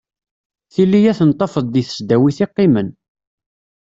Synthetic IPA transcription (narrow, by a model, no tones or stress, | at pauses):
θilːijæθənt̪ˤːɑfəðˤiθə̥sd̪æwiθiqːɪmən